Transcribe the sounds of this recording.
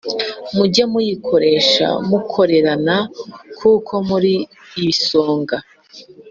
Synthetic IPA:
muɟamujikʰo̞ɾe̞ːʃa̰mukʰo̞ɾe̞ɾanakʰuːkʰo̞muɾiː | iso̞ːŋɡa

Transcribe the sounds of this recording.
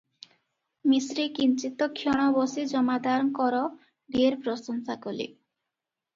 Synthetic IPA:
misɾikint͡ɕit̪okʰːiɔɽ̃ɔbɔsid͡ʑɔmad̪aɾɔnkɔɾɔ | ɖieɾpɾosoŋsakolḭ

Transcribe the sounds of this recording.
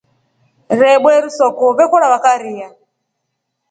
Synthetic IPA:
ɾɛɓwɛɾusɔkɔβɛkɔɺaβakaɾia

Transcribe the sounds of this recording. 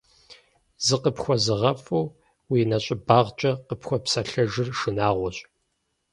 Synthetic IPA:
zɨqəpxʷɔzɨʁɐfʼuw | wiːnɐɕʼɪbaːʁt͡ʃʼɐqəpxʷɔpsɐɬɐʒɨrʂɨnaːʁʷɔɕʼ

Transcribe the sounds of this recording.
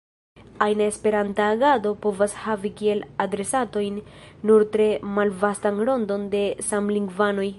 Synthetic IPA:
ajnaespe̞ɾantaːɡado̞po̞vashavikie̞ladɾe̞sato̞jnː | uɾtɾe̞malvastanɾo̞ndo̞nde̞samliŋɡvano̞j

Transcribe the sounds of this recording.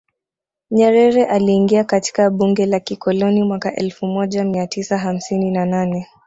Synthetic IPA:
ɲɛɾɛɾɛʔaliːŋɡiakati̥kaɓuŋɡɛlakikɔlɔnimwakaʔɛlfumɔʄamiatisaɦam̩sininananɛ

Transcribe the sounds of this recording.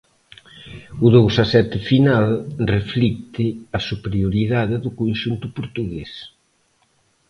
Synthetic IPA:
ʊðowsɐsɛt̪ɪfinalreflik̚t̪ɪɐsupeɾjoɾiðaðɪðʊkonʃunt̪ʊpoɾt̪uɣes

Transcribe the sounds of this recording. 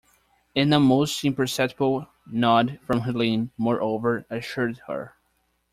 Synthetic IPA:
ɨ̃nðəmoʊstɪ̃mpə˞sɛtbl̩ˠ | nɑdfɹʌ̃mɦəlĩnmɔɹʔoʊvə˞ɨʃʊɹd̚hə̰˞

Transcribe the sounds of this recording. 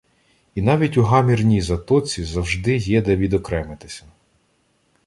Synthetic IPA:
inɑʋʲitʲuɦɑmʲirnʲijzɐt̪ɔt͡sʲizɐwʒd̪ɪjɛd̪ɛʋʲid̪ɔkɾɛmet̪ɪsʲɐ

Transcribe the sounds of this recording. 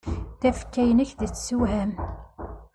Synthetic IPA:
θæfkːæjənæçðət͡sːsuɦæm

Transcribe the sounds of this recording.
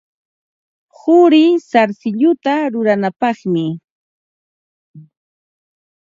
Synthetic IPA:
hʊɾɪsaɾsɪʎʊt̪aɾʊɾanapɑχmɪ

